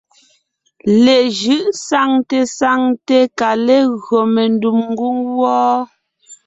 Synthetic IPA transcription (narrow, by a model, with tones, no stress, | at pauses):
lɛ˨ʒɯ˦ʔsa˦ŋte˦sa˦ŋte˦ka˨le˦ɣɰo˨me˨ndu˨mŋ˦ɡu˦ŋwɔː˦